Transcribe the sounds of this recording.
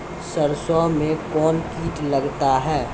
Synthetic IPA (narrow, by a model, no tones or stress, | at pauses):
səɾsɔmẽkɔːnkiːʈləɡt̪aɦɛː